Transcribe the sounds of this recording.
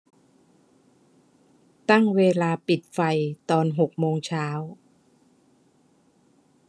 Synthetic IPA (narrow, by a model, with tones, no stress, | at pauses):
t̪a˥˩ŋweː˧laː˧pi˨˩t̪̚fa˧jt̪ɔː˧nɦo˨˩k̚moː˧ŋt͡ɕʰaː˦˥w